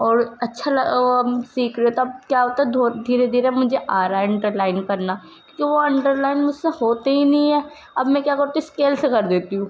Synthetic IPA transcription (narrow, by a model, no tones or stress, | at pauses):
ɔːɾɐtːʃʰalɐsiːkɾɛot̪oɐb̚kjaːɦoːt̪aɦɛd̪ʱoːd̪ʱiːɾed̪ʱiːɾɛmʊd͡ʒʱeʔaːɾaɐ̃ɳɖəɾlaːɪnkɐɾna | kjõːkiʋoɐ̃ɳɖəɾlaːɪnmʊd͡ʒʱsehoːt̪eɦinɐɦĩɦɛː | ɐbmɛ̃kjaːkɐɾt̪iskeːlsekɐɾd̪eːt̪iɦũː